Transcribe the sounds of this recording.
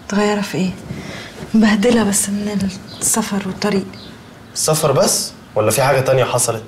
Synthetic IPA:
t̪eɣæjːɑɾˤɑfiʔeː | bæhd̪elæbæsːmenelsːæfɑɾˤwet̪ˤːɑɾiːʔ | esːæfɑɾˤbæsː | wælːæfiħaːɡæt̪ænjæħɑsˤɑlet̪̚

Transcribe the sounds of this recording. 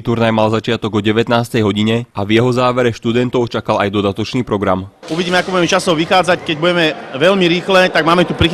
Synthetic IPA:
t̪uɾnajmalzat͡ʃɪat̪ɔɡɔɟɛʋɛt̪naːst̪ɛjɦɔɟiɲɛʔavjɛɦɔzaːʋɛɾɛʃt̪ud̪ɛnt̪ɔʊt͡ʃakalajd̪ɔd̪at̪ɔt͡ʃniːpɾɔɡɾamuʋiɟiːmɛakɔbuɟɛmɛt͡ʃasɔʊʋixaːd͡zackɛɟbuɟɛmɛʋɛʎmiɾiːxlɛt̪aɡ̚maːmɛt̪upɾi

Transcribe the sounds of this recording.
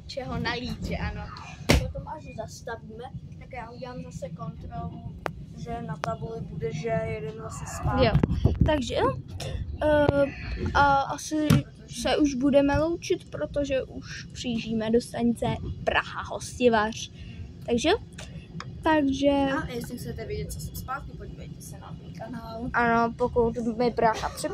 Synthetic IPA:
t͡ʃɛɦo̞naliːʒɛʔano̞ | pot̪o̞mʔasɪzast̪aviːmɛt̪akjaːuɟɛlaːmzasɛko̞nt̪ɾolu | ʒɛnat̪abulɪbudɛʒɛjɛdɛnosɛspajot̪aɡʒɛ | ʔaʔasɪ | sɛʔuʒbudɛmɛlo̞wt͡ʃɪt̪pɾo̞t̪oʒɛʔuʃpr̝̥iːʒiːmɛdo̞st̪aɲt͡sɛpɾa̰ɦaɦo̰scɪvar̥t̪aɡʒɛ | t̪aɡʒɛjɛsɪxt͡sɛt̪ɛvjɛɟɛt̪̚t͡sosɛspaːt̪̚kɪpoɟiːvɛjt̪ɛsɛna̰t̪ɛnkanaːlʔanopokut̪mɪpɾaxapr̥ɪ

